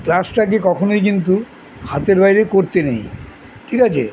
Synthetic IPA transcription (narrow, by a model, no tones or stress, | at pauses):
plasʈak̬ikɔkʰonojk̬int̪u | hat̪eɾbajɾekoɾt̪enḛj | kiɾad͡ʑḛ